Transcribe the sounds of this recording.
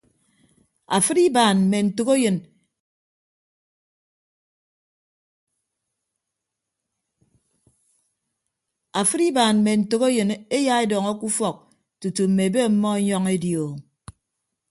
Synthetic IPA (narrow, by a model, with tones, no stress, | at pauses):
a˨fɨ˦ɾi˦baː˨nm̩˨me˨n̩˨tu˨ko˦jɨ˨n | a˨fɨ˦ɾi˦ba˨nm̩˨me˨n̩˨to˨ko˦jɨ˨ne˦ja˦e˦dɔː˨ŋɔ˦ku˦fɔ˨k̚ | tu˨tu˨m̩˨me˨be˦˨˦mːɔ˦e˦ɲɔ˦ŋe˦djo˨